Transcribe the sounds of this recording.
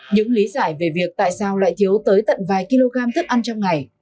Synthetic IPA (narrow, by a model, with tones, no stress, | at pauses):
ɲɨ̰˧˥ŋli˨˦zaː˧˩jve˨˩vi˨˩ək̚t̪a̰ː˧˨jsaː˧wla̰ː˧˨jt̪ʰi˨˦əwt̪əː˨˦jt̪ə̰˧˨nvaː˨˩jki˧lo˧ɣaː˧mt̪ʰɨ˦˥k̚ʔa˧nt͡ɕɔ˧wŋ͡mŋa˨˩j